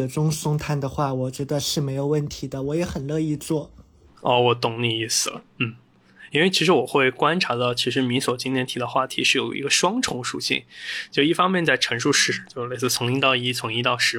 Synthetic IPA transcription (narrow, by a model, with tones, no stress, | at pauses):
ə˩ʈ͡ʂʊ˥ŋsʊ˥ŋt̪ʰa˥˩nd̪ə˨xwa˥˩wɔ˨˩t͡ɕɥɛ˧˥d̪ə˧ʂɻ̩˥˩me˧˥ɪjo˨˩ʊwə˥˩nt̪ʰi˧˥d̪ə˧wɔ˧˥jɛ˧˥xə˨˩nlɤ˥˧i˥˧t͡swɔ˥˩ | ɔ˥˩wɔ˨˩t̪ʊ˨˩ŋli˥˧i˥˩s̩˨˩n̩˥˩ | i˥nwe˥˩ɪt͡ɕʰi˧˥ʂ̬ɻ̩˧˥wɔ˨˩xwe˥˩ɪkwa˥nʈ͡ʂʰa˧˥d̪ɑ˥˩ʊt͡ɕʰi˧˥ʂ̬ɻ̩˧˥mi˧˥swɔ˨˩t͡ɕi˥nt̪ʰɛ˧˥nt̪ʰi˧˥d̪ə˧xwa˥˩t̪ʰi˧˥ʂɻ̩˥˩jo˨˩ʊḭ˧˥ɡə˧ʂwɑ˥ŋʈ͡ʂʰʊ˧˥ŋʂṵ˨˩ɕḭ˥˩ŋt͡ɕo˥˧˩i˥˩fɑ˥ŋmjɛ˥˧nt͡sa˥˩ɪʈ͡ʂʰɤ˧˥ŋʂu˥˧ʂɻ̩˥˩t͡ɕjo˥˧ʂle˥˧ɪt͡sɹ̩˥˩t͡sʰʊ˧˥ŋi˥t̪ɑ˥˧ʊi˥˩t͡sʰʊ˧˥ŋi˥t̪ɑ˥˩ʊʂɻ̩˧˥